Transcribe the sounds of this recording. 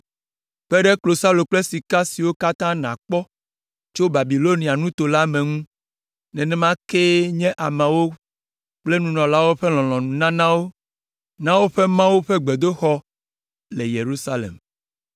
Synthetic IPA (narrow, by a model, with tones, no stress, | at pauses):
ɸɛ˦ɖɛ˦klo˨sa˦lo˨k͡ple˦si˨ka˦si˨wo˦ka˦t̪ã˦nã̰˨k͡pɔ˦ | t͡ʃo˦ba˨bi˨lo˦nĩ˨a˨nũ˦t̪o˨la˦mẽ˨ŋũ˦ | nɛ̃˨nɛ̃˦mã˦ke˦ɲɛ̃˦ʔa˨mã˨wo˦ | k͡ple˦nũ˨nɔ̃˨la˦wo˦ɸe˦l̃ɔ̃˨lɔ̃˨nũ˨nã˦nã˦wo˦ | nã˦wo˦ɸe˦mã˦wu˦ɸe˦ɡ͡be˨d̪o˦xɔ˦ | le˨je˨ɾu˦sa˦lḛ˨m